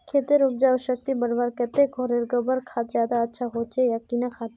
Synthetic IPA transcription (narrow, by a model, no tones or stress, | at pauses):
kʰeːt̪eɾʊb̚d͡ʒaʋəʃək̚t̪ibəɽbaːɾkɛt̪eɡʱoɾeɾɡəbəɾkʰat̪zjaːd̪aɐtːʃʰaɦoːt͡ʃejakinakʰaːt̪